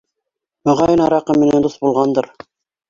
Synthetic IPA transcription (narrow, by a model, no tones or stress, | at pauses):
mɵʁɑjənɑɾɑqəmenend̪osbulˠʁɑnd̪ɤɾ